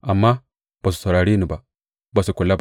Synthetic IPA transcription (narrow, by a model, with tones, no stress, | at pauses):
a˨mːa˦ | b̥a˨su̥˨sa˨ɾa˨ɾi˦ni˨ba˨ | ba˨si˨ku˨lːa˦b